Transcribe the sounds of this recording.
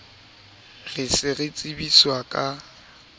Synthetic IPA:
rɪsɪrɪt͡sʼɪbiswakʼa

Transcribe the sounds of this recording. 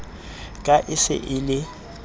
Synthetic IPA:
kʼaʔɪsɪ̰ʔɪlɪ

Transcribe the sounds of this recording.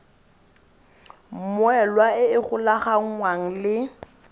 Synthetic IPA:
m̩mwɛlwaɪɪχʊlaχaŋ̩ŋwaŋ̩lɪ

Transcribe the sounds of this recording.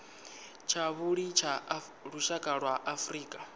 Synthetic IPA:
t͡ʃʰaβuɺit͡ʃʰa | ɺuʃakʼaɺwaʔafriːkʼa

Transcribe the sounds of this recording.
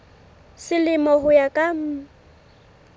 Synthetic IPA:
sɪlɪmɔɦʊjakʼam̩

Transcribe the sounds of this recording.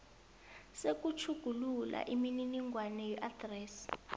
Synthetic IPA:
sek̬ʼut͡ʃʰuɡ̥ʱulula̰ʔimininiŋʱwanɛjɛʔat̪rɛs

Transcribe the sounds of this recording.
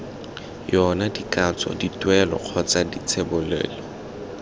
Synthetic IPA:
jɔnadikʼat͡sɔ̰ditwɛlɔ̰q͡χʰɔt͡sadit͡sʰebʊlɛ̰ːlɔ

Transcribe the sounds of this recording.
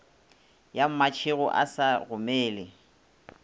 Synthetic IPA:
jam̩mat͡ʃʰɪɣʊ̰ʔa̰saɣʊmeːlɪ

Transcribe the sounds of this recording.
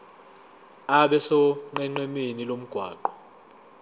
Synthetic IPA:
aɓɛsɔŋ͡ǃɛŋ͡ǃwɛmenilom̩ɡ̥ʱwa̰ːǃɔ

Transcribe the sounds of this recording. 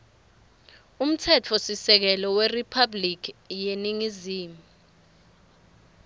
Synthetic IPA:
um̩tʰɛt͡fʰɔsisɛk̬ɛlɔweripʰablik̬ijeniŋiziːmu

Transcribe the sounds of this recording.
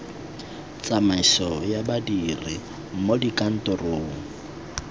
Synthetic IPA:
t͡sʼamaisɔjabadiri | modikʼan̩tʼɔroː

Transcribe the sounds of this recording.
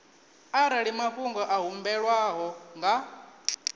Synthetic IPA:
aɾaɺimaɸuŋɡɔʔaɦumbɛɺwaɦɔŋɡa

